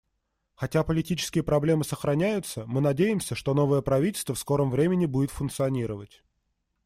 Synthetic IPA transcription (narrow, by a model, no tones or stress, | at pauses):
xɐtʲapəlʲɪtʲit͡ɕɪ̥skʲɪjəpɾɐblʲe̞mɨsəxɾɐnʲæjʊt̪səmɨnɐdʲejɪmsʲəʂt̪o̞no̞vəjəpɾɐvʲitʲɪlʲst̪vəfsko̞ɾəmvɾʲemʲɪnʲɪbudʲɪt̪fʊnkt̪sɨɐnʲiɾəvətʲ